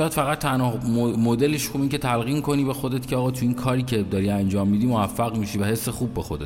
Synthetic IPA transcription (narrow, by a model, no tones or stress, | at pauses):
jæd̪fæɣæt̪ʰːænhɒːomod̪e̞leʃxubince̞t̪ʰælɣiːmkʰo̞niːbexo̞d̪e̞t̪cʰeɒːɣɒːt̪ʰuiːnkʰɒːɾiːcʰe̞d̪ɒːɾiænd͡ʒɒːmːid̪iːmoæfːæɣmiʃiːvæhe̞sːexubːe̞xod̪t̪